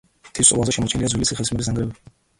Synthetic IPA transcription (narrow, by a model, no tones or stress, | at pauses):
t̪ʰisʼɔ̰vˠanzɛʃɛmɔt͡ʃʰɛnliad̪zwilisiχɛlsmɛbis̬aŋɡɾɛbɛ